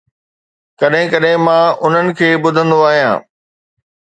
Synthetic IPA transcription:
kɐɗɦɪ̃kɐɗɦɪ̃mãːʊn̤ənɪ̆kʰeːɓʊd̪ʱə̃nd̪oaːɦijã̰ː

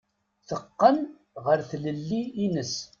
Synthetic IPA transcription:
θəqːən | ʁəɾθləlːiːnəs

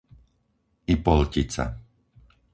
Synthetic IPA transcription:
ipɔlcit͡sa̰

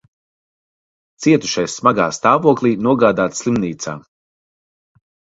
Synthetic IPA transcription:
t̪siɛt̪u̥ʃajsːmaɡa̰ːst̪aːvuɔklˠiːnuɔɡaːd̪aːt̪slˠimniːt̪sa̰ː

